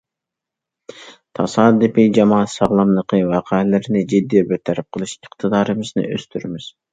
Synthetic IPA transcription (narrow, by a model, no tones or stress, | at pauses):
t̪ʰɑsɑːd̪ɨpid͡ʒɑmɑːsɑʁlˠɑmlˠəqʰəwɑqʰælɪɾɪnɪd͡ʒid̪ːijɛbet̪ʰæɾɪp̚qʰəlˠɨʃiqt̪ʰɨd̪ɑːɾɨmɨznɨ̰ʔø̰st̪ʰyɾmɪz̥